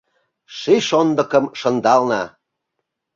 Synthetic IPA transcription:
ʃiʃond̪ə̆kə̆mʃə̆nd̪ɑlnɑ

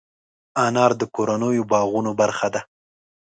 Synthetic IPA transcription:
anɑɾd̪əkoɾanəjobɑɣunobaɾxad̪a

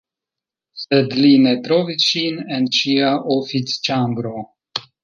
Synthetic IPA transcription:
sɛd̪linɛt̪ɾovit͡ʃinɛnt͡ʃiaʔofit͡st͡ʃambɾo

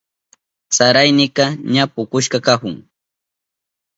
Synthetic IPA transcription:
t͡saɾajnɪkɑɲapʊkʊʃkɑkahʊŋ

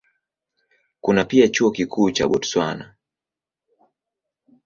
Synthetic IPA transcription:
kunapiat͡ʃuɔkikʰuːt͡ʃaɓɔtswa̰na̰

